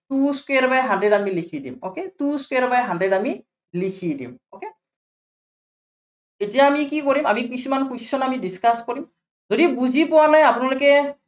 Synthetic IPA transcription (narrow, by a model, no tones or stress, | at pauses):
tuskeɹbajɦãndɹedamilikʰidḭmoketuskeɹbajɦandɹedami | likʰidḭmoke | etijaːmikikoɹimamikisumankusi̥sɔnamidiskaskoɹim | zodibuzipʊwanajapʊnalʊkɛ